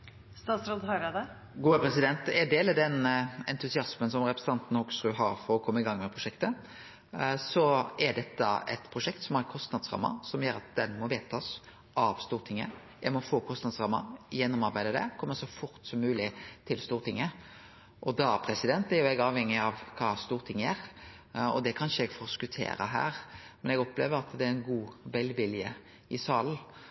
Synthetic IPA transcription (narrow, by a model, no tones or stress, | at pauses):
st̪ɑːt̪sɾoːd̪ɦɑɾɑd̪ə | ɡuːəpʰɾɛsɪd̪ɛnt̪ɛd̪eːlɑd̪ɛnɛ̰nt̪ʉsɪɑsmənsɔmɾɛpɾɛsət̪ɑnt̪n̩ɔksɾʉːɦɑɾfɔɾɔkʰɔmːəɪɡɑŋːmɛpʰɾʊʂɛkt̪ə | sɔɛɖ̪ɛt̪ːəɛ̰t̪pʰɾʊʂɛkt̪sɔmæɾkʰɔst̪nɑd̪sɾɑ̰mːə̰ɾsɔmjøːɾɑt̪̚d̪ɛnmɔʋeːt̪ʰɑːs | ʔɑʋst̪uːɾt̪ʰɪŋːə̰ | jæɪmɔfoːkʰɔst̪nɑd̪sʁɑmːɑ̰jɛnːɔmɑɾbæɪd̪əd̪ɛ̰kʰɔmːəsɔfʊɾt̪sɔmːʉːlɪt̪ʰɪlst̪uːɾt̪ʰɪŋːə | ʔɔd̪ɑpʰɾɛsɪd̪ɛnt̪æɾjʊɛɡɑːʋhɛŋːɪɑʋkʰɑːst̪uːɾt̪ʰɪŋːəæːɾ | ɔ̰d̪ɛkʰɑnʃəɛɡfɔskʉt̪ʰḛːɾə̰ɦæ̰ːɾmɛnɛɡɔplḛːʋəɾɑt̪d̪ɛæɪnɡuːʋɛlʋɪljə | ɪsɑːln̩